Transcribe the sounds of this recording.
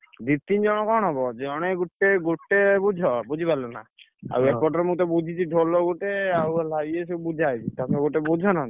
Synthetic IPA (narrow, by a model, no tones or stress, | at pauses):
d̪it̪ind͡ʒɔɽ̃ɔkɔɽ̃ɦɔbɔd͡ʒɔɽ̃eɡuʈːeɡuʈːebud͡ʒʱɔbud͡ʒʱipalɔna̰ | a̰wekɔʈɔɾemũt̪̬ɔbud͡ʒʱit͡ʃʰiʈolɔɡuʈeawlaies̬ubud͡ʒʱajt͡ʃʰit̪amɔɡuʈebud͡ʒʱɔna